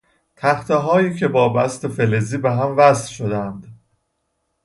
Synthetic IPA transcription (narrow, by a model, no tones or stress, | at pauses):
t̪ʰæxt̪ʰeɦɒːjiːcʰe̞bɒːbæst̪efeleziːbeɦæmvæslʃod̪ænd̪̥